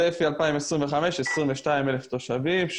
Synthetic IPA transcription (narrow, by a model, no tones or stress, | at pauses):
efialpaimesʁimveχame̞ʃesʁimveʃtaimeleft̪o̞ʃavimʃ